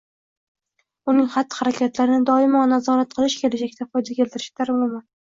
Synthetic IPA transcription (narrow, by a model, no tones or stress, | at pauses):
ʊnɪŋχat̪ːɪ̥χaɾakʲʰat̪laɾɪnɪd̪ɒɪmɒnazɒɾat̪̚qʰɨlˠɪʃkʲʰe̞lad͡ʒakʲt̪ʰafɒjd̪akʲʰe̞lt̪ʰɪɾɪʃt̪ʰaɾmɒma